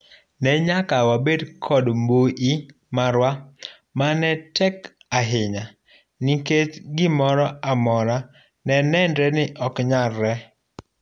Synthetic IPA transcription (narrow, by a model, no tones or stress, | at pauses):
nɛɲakawabedkʰɔdmboʔi | maɾwa | manɛtɛk | aɦɪɲa | niket͡ʃɡɪmɔɾɔamɔɾa | nɛnɛndɾɛnɪʔɔkɲarːɛ